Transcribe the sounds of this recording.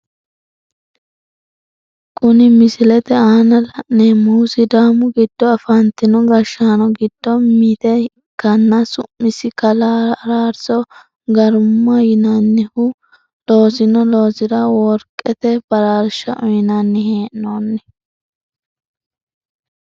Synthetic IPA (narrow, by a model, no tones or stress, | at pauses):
kʼʊnɪmɪsɪlɛt̪ɛaːnɐlɐnːemuhʊsɪd̪aːmʊɡɪd̪̥ːɔɐfɐnt̪ɪnɔɡɐʃːaːnɔɡɪd̪̥ːɔmit̪ɛ | kɐnːɐsʊ̰mːɪsɪkɐlaɾaːɾsɔ | ɡɐɾʊmːɐjɪnɐnːɪhʊ | lo̞ːsɪnɔlo̞ːzɪɾɐwɔɾkʼːɛt̪ɛbɐɾaːɾʃɐ̰ʔɔjɪnɐnːɪheːʔnoːnːɛ